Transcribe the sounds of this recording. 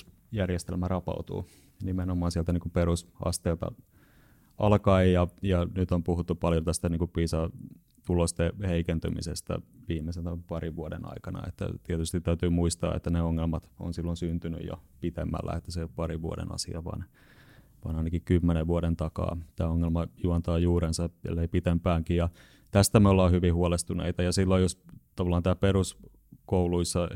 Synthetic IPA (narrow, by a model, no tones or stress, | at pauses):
jærjest̪elmærɑpɑ̰ut̪ṵː | nimenomːˑɑːnsiɛlt̪æniːŋkuperusɑ̰st̪eːlt̪ɑ̰ | ɑlkɑijɑjɑnyt̪ompuhut̪ːupɑljont̪æst̪æniːŋkuppiːsɑ | t̪ulost̪eheikent̪ymḭsest̪ɑ̰ʋiːmesent̪æpɑriʋʋuodḛnɑ̰ikɑnɑ̰ḛt̪ːæ̰t̪iet̪yst̪it̪t̪ːæyt̪yːmuist̪ɑ̰ːḛt̪ːæneoŋːelmɑt̪o̰nsilːonsynt̪yny̰jo̰pit̪emːæ̰lːæ̰et̪ːæsepɑɾiʋʋuo̰dḛnɑ̰sḭɑʋɑ̰n | ʋɑ̰nɑinɑkikymːeneʋʋuoɾent̪ɑkɑ̰ːt̪æːoŋːelmɑjuɑnt̪ɑːjuːɾensɑḛlːeipit̪empæːŋkijjɑ | t̪æst̪æmeolːɑːhyʋihuolest̪unḛit̪ɑjɑsilːojost̪ɑʋɑlːˑɑːnt̪æːperus | kouluisːɑ